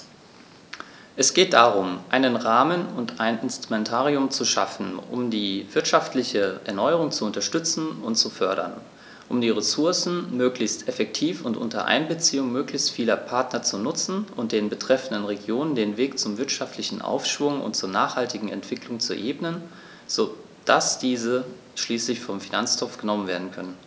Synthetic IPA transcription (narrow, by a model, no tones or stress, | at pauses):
ʔɛsɡ̥eːt̚d̥aːʁʊmʔaɪnənʁaːmənʊntʰaɪnɪnstʁ̥umɛntʰaːʁiʊmt͡suʃa̰fn̩ʊ̰mdiːv̥ɪɐtʃaftlɪçəʔɛɐnɔʏəʁʊŋt͡suʊntɐʃtʏt͡sn̩ʊntt͡sufœɐɾɐ̰n | ʔʊmdiːʁesʊɐsn̩møːklɪçstɛfɛk̚tʰiːfʊntʔʊ̰ntɐ̰ʔa̰ɪnbət͡siːʊŋmøːklɪçstfiːlɐpʰaɐtnɐt͡sunʊt͡sn̩ʔʊnt̚d̥eːnbətʁ̥ɛfn̩dənʁeɡjoːnəndeːnveːkt͡sʊmvɪɐtʃaftʰlɪçn̩ʔa̰ʊfʃv̥ʊŋʊ̰ntt͡suːɐnaːχhaltɪɡŋ̩ɛ̰ntv̥ɪklʊŋt͡suʔeːbnən | z̥o | d̥asd̥iːzə | ʃliːslɪçfɔmfinant͡stʰɔfɡ̥ənɔmənveːɐdn̩kʰœnən